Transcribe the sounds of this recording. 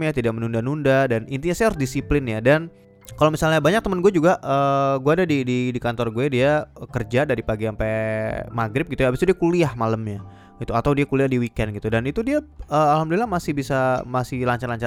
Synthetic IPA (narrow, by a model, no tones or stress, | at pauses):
ɲat̪idaʔmənundanundadanint̪iɲasajɾsdisiplɪnjadan | kalomisalɲabaɲak̚t̪əmənɡuɛd͡ʒuɡaʔəɡuadadididikant̪ɔrɡuɛdiakərd͡ʒadaɾipaɡiampɛmaɡɾɪp̚ɡit̪ujabisɲadiakuliahmaləmɲa | ɡit̪uat̪awdiakuliahdiwikɛnɡit̪udanit̪udiaəalhamdulɪlahmasɪhbisamasɪhlaɲt͡ʃarlaɲt͡ʃa